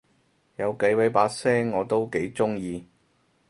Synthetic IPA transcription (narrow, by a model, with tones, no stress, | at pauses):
jɐ˨˧wkɐ˨˧˥jwɐ˨˧˥jpaː˧˥k̚sɛː˥ŋːɔː˨˧t̪o˥wke˨˥jt͡sʊ˥ŋjiː˨˧